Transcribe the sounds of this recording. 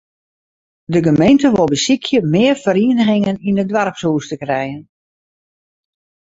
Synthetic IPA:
dəɡəmejntəʋolˠbəsikʰjəmɪərfəɾiənəɣɪŋəninədʋarpsuːstəkrɛjən

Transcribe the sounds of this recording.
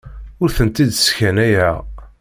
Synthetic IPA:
ʊɾθənt̪id̪skænæjæ

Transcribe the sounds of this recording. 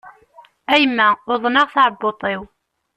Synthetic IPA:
æjmːæʊðˤnɑʁθʕəbːot̪ˤew

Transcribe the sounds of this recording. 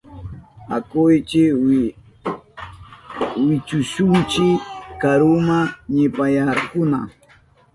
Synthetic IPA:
a̰kʊjt͡ʃɪ | wɪt͡ʃʊʃʊnt͡ʃɪkaɾʊmaɲɪpajaɾkʊna̰

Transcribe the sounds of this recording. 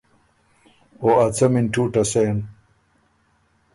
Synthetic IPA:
oɐt͡sʰɐminʈʰuːʈɐsen

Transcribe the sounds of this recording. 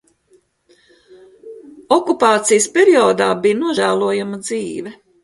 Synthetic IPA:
ɔkupaːt̪sijspʲeɾiɔːd̪aːbijnuɔʒæːlˠuɔjamɐd̪ziːʋɛ

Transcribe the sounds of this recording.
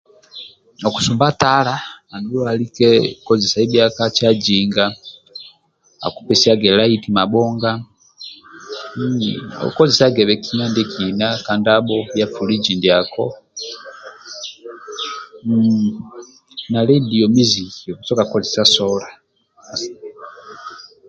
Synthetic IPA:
oku̥sumbatalaːnulualikɛkɔzesaibjakat͡ʃad͡ʒiŋɡa | a̰ku̥pɛsiaɡelaitimaɓɔŋɡa | o̰kɔzesaɡɛβɛkinandikʰinakandabɔjafulid͡ʒindiakɔ | nalɛdiɔmizikit͡sɔkakɔzɛsasɔla | s

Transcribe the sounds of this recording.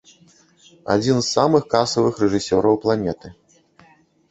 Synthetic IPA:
a̰d͡zʲinzːamɨxkasɐvɨxrɛʐɨsʲɔɾɐwplˠanʲɛt̪ɨ

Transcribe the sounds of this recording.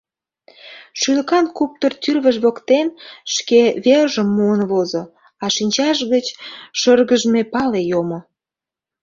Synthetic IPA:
ʃyləkɑnkup̚t̪ort̪yrβəʒβokt̪enʃkeβerʒəmːuənβozo | ɑʃinʲt͡ɕɑʃɣət͡ɕʃərɣəʒəmepɑlejomo

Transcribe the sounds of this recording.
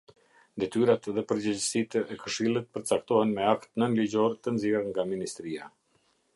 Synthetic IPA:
nd̪ɛt̪yɾat̪ðɛpəɾd͡ʑɛd͡ʑəsit̪ɛɛkəʃilˠit̪̚pəɾt͡sakt̪ɔhɛnmɛakt̪nənlid͡ʑɔɾt̪ənziɛɾŋɡaminist̪ɾia̰

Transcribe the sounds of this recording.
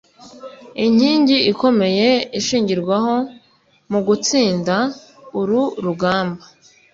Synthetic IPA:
iɲ̥iːɲɟiiko̞me̞je̞iʃiːɲɟiɾɡwaɦo̞ | muɡut͡siːnda | uɾuɾuɡaːmba

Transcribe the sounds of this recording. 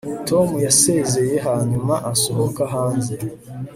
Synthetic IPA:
tʰo̞mujase̞ze̞je̞ɦaːɲumaʔasoɦokaɦaːnze̞

